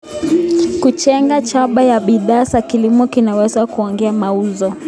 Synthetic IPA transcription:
kut͡ʃɛŋɡat͡ʃaɓajaɓiðaːsakilimɔkinawɛzakuɔŋɡɛamauzɔ

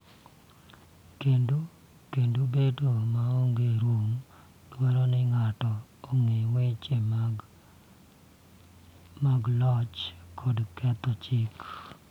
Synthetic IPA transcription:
kendo | kendobedomaoŋɡeɾwoŋ | twɛɾɔnɪŋatɔoŋewet͡ʃem | maɡlɔt͡ʃkʰɔdkɛt̪ɔt͡ʃɪk

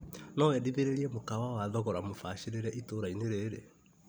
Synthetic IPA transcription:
nɔwɛdiβeɾeɾiɛmokawawaðɔɣɔɾamofaɕeɾeɾɛʔitoːɾaineɾeɾe

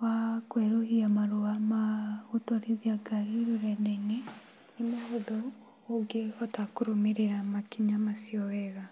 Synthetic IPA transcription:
wakweɾohiamaɾoamahutɔɾiðiaɡaɾiɾoɾɛndaine | nimohodo | oɡeɔtakuɾomeɾeɾamakiɲamasjɔwɛɣa

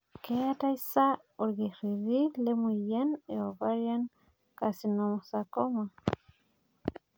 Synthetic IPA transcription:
keat̪ajsa | oɾɣiriðilemujjeneoβaɾjan | kasinomosakoma

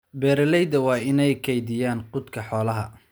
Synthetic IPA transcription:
bɛːɾɪlɛjd̪ɐwɑːɪnɛjkʰɛjd̪ɪjaːnqʊd̪kʰɐħɔːlɐɦɐ

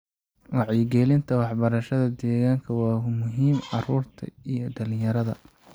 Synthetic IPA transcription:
wɑʕjɪɡɛlɪnt̪ʰɐwɑħbɐɾɐʃɐðɐd̪ɛːɣaːŋkʰɐwɑːmʊɦiːmʕɑruːrt̪ʰɐ̰ijɞɖɐlɪjɐɾɐðɐ

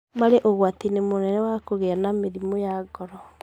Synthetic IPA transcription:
maɾeʔoɣwatinemonɛnɛwakoɣeanameðimojaɡɔɾɔ

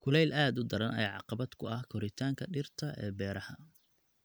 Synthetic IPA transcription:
kʰʊlɛjlʔaːd̪ʊd̪ɐɾɐnɛ̰jʕɑ̰qɑbɐd̪kʰʊɐhkʰɔɾɪt̪ʰaːŋkʰɐɖɪrt̪ʰɐʔɛ̰ːbɛːɾɐhɐ

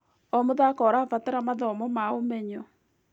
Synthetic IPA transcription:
ɔmoðakɔɾafataɾamaðɔmɔmaomɛɲɔ

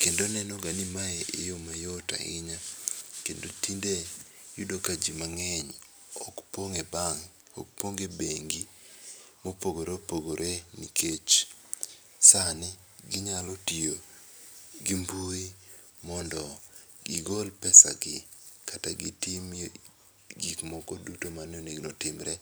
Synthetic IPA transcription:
kendonɛnɔɡanimaeʔejomajɔta̰ɪ̰ɲakendotinde | judokad͡ʒimaŋɛɲ | ɔkpoŋebaŋ | ɔ̰k̚poŋɡebeŋɡi | mopoɡoɾepoɡoɾʔenḭkʰet͡ʃ | sanɪ | ɡɪɲalotio | ɡimbui | mɔndɔ | ɡɪɡolpɛsa̰ɡɪkataɡɪ̰tim | ɡikmɔkɔdutomanɪoneɡnotɪmɾɛ

